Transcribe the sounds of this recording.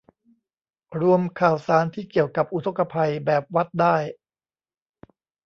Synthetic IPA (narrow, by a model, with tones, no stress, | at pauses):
ɾu˧əmkʰaː˨˩wsaː˩˦nt̪ʰiː˥˩ki˨˩əwka˨˩p̚ʔu˦t̪ʰo˧˥kːa˧pʰa˧jbɛː˨˩p̚wa˦˥t̪̚daː˥˩j